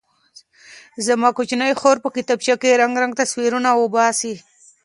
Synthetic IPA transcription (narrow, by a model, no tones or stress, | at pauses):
zamɑkʊt͡ʃnəjxoɾpəkɪt̪ab̚t͡ʃakeɾaŋɡɾaŋɡt̪aswiɾunawəbɑsi